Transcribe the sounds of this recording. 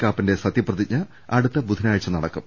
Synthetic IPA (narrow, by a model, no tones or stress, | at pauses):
kːaːpːinde̞sɐt̪ːjiprɐðit͡ɕːɐ | ɐɽut̪ːɐbud̪ʱinaːɻit͡ɕːɐnɐɽɐkːum